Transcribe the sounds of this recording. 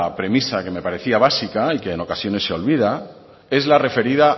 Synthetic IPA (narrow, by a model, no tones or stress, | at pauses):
pɾe̞misake̞me̞paɾe̞θiaβ̞asikaike̞ːno̞kasjo̞ne̞sːeo̞lβ̞ið̞a | e̞zlare̞fe̞ɾiða